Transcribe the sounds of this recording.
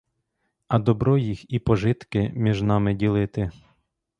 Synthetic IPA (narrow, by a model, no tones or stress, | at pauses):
ɐd̪ɔbɾɔjixipɔʒɪt̪kɪmʲiʒnɑmɪdʲilˠɪt̪ɪ